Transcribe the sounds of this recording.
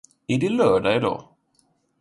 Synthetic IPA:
æɖɪlœːɖaɪd̪ɑ̰ː

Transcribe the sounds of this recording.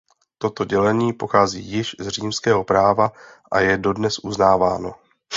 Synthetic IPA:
t̪o̞t̪o̞ɟɛlɛɲiːpo̞xaːzḭːjɪʃzr̝iːmskɛːɦo̞pɾaːva | ʔajɛdo̞dnɛsʔuznaːvaːno̞

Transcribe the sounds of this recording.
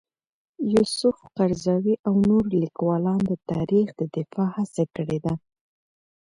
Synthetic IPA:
jusʊfqaɾzɑwiʔawnoɾlikwɑlɑnd̪ət̪ɑɾixd̪əd̪ɪfɑhasakəɽed̪a

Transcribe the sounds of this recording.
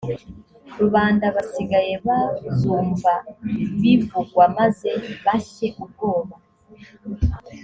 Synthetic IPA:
ɾuβaːndaβasiɡaje̞βazuːmvaβivuɡwamaze̞βaçe̞ʔub̚ɡo̞ːβa

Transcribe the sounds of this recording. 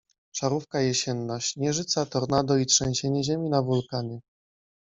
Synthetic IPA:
ʂaɾufkajɛɕɛnːɔɕt͡ɕɲɛʐɘt̪sat̪ɔɾnad̪ɔitʂɛ̃w̃ɕeɲɛʑemʲinavulkanɘ

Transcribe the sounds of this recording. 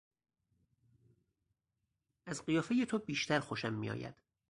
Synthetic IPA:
æzɢijɒːfejet̪ʰobiːʃt̪ʰæɾxoʃæmːḭjɒ̰ːjæ̰d̪̥

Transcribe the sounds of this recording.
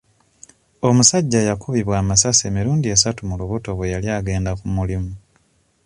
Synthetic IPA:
o̞musaɟːajakʰuβiβwaːmasase̞miɾuːndie̞satumuluβuto̞βwe̞jaljaːɡe̞ːndakumulimu

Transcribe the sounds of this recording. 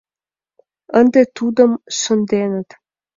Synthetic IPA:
ənd̪et̪ud̪ə̆mʃə̆nd̪enə̆t̪

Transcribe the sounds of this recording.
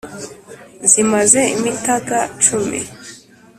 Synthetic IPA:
zimaze̞imitaɡat͡ʃumḭ

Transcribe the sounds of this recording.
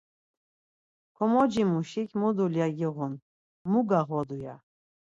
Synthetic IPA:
kʰɔmɔd͡ʒimuʃikʰʲmud̪uljaɡiʁun | muɡaʁɔd̪uja

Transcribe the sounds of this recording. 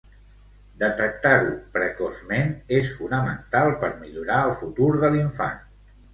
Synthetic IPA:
d̪ət̪ək̚t̪aɾupɾəkɔzmenesfunəmə̰nt̪alˠpəɾmiʎuɾaəlˠfut̪uɾðəliɱfa̰n

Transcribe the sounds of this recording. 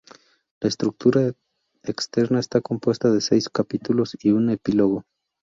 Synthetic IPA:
laest̪ɾuk̚t̪uɾa | ekst̪e̞ɾnae̞st̪ako̞mpwe̞st̪aðe̞se̞jskapit̪ulo̞siune̞pilo̞ɣo̞

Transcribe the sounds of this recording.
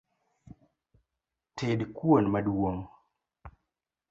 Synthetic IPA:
tʰedkwonmadwoŋ

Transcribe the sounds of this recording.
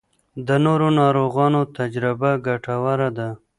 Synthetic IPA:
d̪ənoɾonɑɾoɣɑnot̪ad͡ʒɾɪbaɡaʈawaɾad̪a

